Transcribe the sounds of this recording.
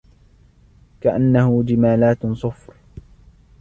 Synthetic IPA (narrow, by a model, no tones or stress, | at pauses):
kaʔanːahʊd͡ʒɪmaːlaːt̪sˤʊfɾ